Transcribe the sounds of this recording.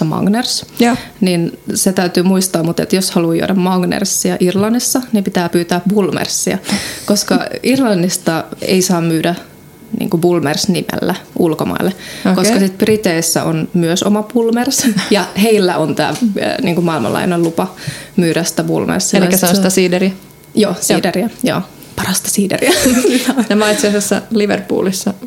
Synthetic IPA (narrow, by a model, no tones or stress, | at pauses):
ɑmɑ̰ɡnersninset̪æyt̪yːmuist̪ɑːmmut̪et̪joshɑluːjo̰dɑmmɑɡnḛrsːiæʔirlɑnːisːɑnimpit̪æːpyːt̪æːpb̥ulmḛrsːiæ̰koskɑirlɑnːist̪ɑḛisɑːmmyːdæ | nḭːŋkubulmersnimḛlːæulkomɑ̰ilːeokoskɑsit̪̚b̥rit̪eisːæ̰o̰nmyøso̰mɑbulmersjɑheilːæʔont̪æ̰ːniːŋkumɑilmɑ̰lʔɑ̰inelupɑmyːɾæst̪æbṵlmḛrsːilikːæseonsst̪æsiːdeɾi | joːsiːderiæjo̰ː | pɑrɑst̪ɑ̥siːdḛriæ | nɑmɑit̪seɑsesːɑ̰liʋerpṵːlisːɑ